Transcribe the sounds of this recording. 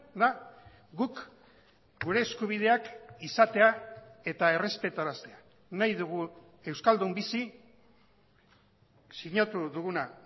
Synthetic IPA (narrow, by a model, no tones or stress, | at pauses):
d̪a | ɡuk | ɡuɾe̞ːskuβ̞ið̞e̞akisat̪e̞ae̞t̪ae̞re̞spe̞t̪aɾast̪e̞a | najðuɣ̞u | e̞wskald̪umbisi | siɲat̪uðuɣuna